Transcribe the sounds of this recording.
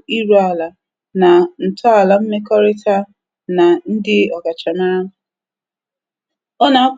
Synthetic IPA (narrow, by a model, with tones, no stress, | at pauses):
i˦ɾu˦a˨la˨ | na˨n̩˨tɔ˦a˨la˨m̩˦me˦kɔ˦ɾɪ˦ta˦ | na˨n̩˦dɪ˦ɔ˨ɡa˨t͡ʃa˨ma˦ | ɔ˦na˨˦